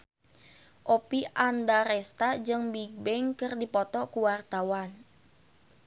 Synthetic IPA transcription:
ʔopiʔandaɾɛst̪ad͡ʒɨŋbiɡ̚bɛŋkɨrdipɔt̪ɔkuwart̪awan

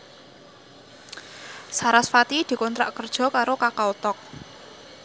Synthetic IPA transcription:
saɾasfat̪id̪̥i̤kɔnt̪ɾa̰ʔkərd̥ʒ̥ɔ̤kaɾokakaut̪ɔk̚

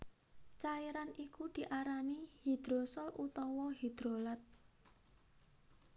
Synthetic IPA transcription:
t͡ʃaiɾanʔikud̪̥i̤ʔaɾanihid̪̥ɾosɔlʔut̪ɔwɔɦid̪̥ɾolat̪̚

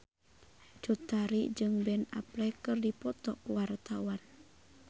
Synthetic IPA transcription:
d͡ʒɔt̪aɾid͡ʒɨŋbɛna̰plɛkɨrdipɔt̪ɔkwart̪awan

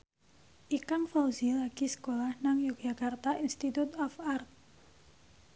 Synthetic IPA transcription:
ʔikaŋfawzilaɡisə̥kolahnaŋjuk̚d͡ʒakart̪aʔinst̪it̪ut̪ɔfart̪̚

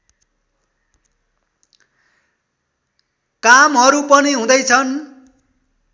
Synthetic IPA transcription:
kamɦʌɾupʌniɦũd̪ʌjt͡sʰʌn

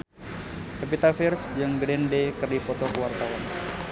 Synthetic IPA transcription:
kapit̪afɪrsd͡ʒɨŋɡɾɛndekɨrdipɔt̪ɔkəwart̪awan

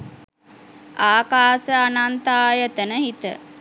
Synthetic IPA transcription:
aːkaːsəanant̪aːjət̪ənəɦit̪ə̰

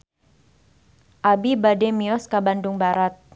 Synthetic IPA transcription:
ʔabibademiɔskabandʊŋbaɾat̪̚

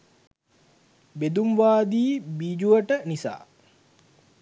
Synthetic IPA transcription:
bed̪umʋaːd̪iːbiːd͡ʒuʋəʈənisa̰ː

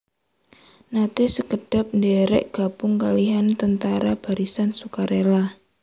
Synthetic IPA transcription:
nat̪esəɡəɖ̥ap̚ndɛɾɛ̰ʔɡ̥a̤bʊŋkaliɦant̪ənt̪aɾab̥a̤ɾisansukaɾela

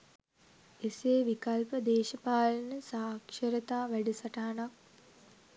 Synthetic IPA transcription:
eseːʋikalpəd̪eːʃəpaːlnəsaːkʃəɾət̪aːʋæɖisaʈɐɦanak̚

